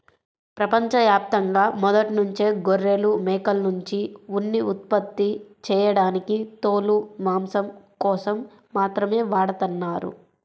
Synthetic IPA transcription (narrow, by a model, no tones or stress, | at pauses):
pɾɐpɐɲt͡ʃɐʋjaːp̚t̪ɐŋɡaːmɔd̪ɐʈnuɲt͡ʃe̞ːɡoɾːelumɛːkɐlnuɲt͡ʃiunːiut̪̚pɐt̪ːit͡ʃɛːjɐɽaːnikit̪oːlumaːmsɐm | kɔːsɐmː | aːt̪ɾɐme̞ːʋaːɽɐt̪ɐnːaːɾṵ